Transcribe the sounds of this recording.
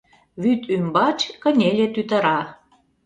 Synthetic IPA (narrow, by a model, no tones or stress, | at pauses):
βyt̪ymbɑt͡ɕkənʲelʲet̪yt̪ə̆ɾɑ